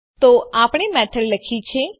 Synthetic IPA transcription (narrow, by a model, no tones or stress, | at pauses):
t̪oapɽ̃emɛʈʰəlləkʰit͡ʃʰe